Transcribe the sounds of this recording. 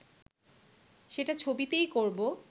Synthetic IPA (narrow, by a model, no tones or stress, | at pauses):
ʃeʈat͡ɕʰobit̪ejkoɾbo